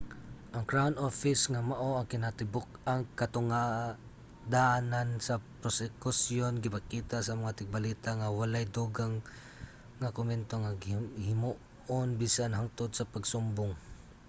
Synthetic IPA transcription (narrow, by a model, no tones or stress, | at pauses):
ʔɐŋkɹawnofɪsŋamaʔoɐŋkɪnat̪ɪbʊk̚aŋkat̪ʊŋa | d̪aʔanansapɾosɛkʊsjonɡɪpakiːt̪aʔsamaŋat̪ɪɡ̚balit̪aŋawalajd̪uɡaŋː | akʊmɛnt̪oŋaɡhɪmu | onbisanɦaŋt̪ʊd̪sapaɡsʊmbʊŋ